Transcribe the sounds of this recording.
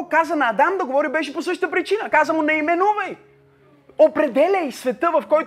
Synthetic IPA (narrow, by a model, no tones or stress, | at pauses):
kazənɐːd̪amd̪ɐɡovɔɾibɛʃɛposɤʃt̪t̪əpɾit͡ʃinəkazəmunɛimɛnuvəj | opɾɛd̪ɛlʲəjsvɛt̪əvɐfkɔjt